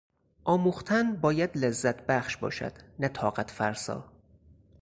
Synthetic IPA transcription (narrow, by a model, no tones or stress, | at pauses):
ʔɒːmuːxt̪ʰænbɒːjæd̪lezːæt̪ʰbæχʃbɒ̰ːʃæ̰d̪̥næt̪ʰɒːɢæt̪ʰfæɾsɒ̰ː